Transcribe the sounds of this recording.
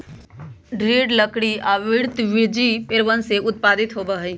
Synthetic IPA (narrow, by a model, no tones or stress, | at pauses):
ɖɾiːɖləkɽiaːʋɪɾt̪ʋɪɾd͡ʒipeɾʋənseʊt̪̚paːd̪ɪt̪ɦobəɦi